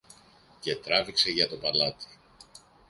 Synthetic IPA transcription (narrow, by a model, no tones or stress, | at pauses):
ce̞t̪ɾɐvikse̞ʝɐt̪o̞pɐlɐt̪i̥